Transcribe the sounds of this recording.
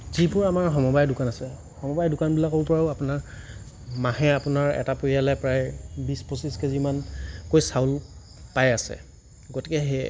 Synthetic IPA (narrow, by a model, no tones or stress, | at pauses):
zipʊɹamaɹɦɔmɔbajdʊkanasɛ | hɔmɔbajdʊkanbilakɔlpɔɹaʊapʊnaɹ | maɦɛapʊnaɹɛ̰tapoɹialɛpɹajbispɔsiskɛzimankojsaʊl | pajasɛ̰ | ɡotikɛɦɛ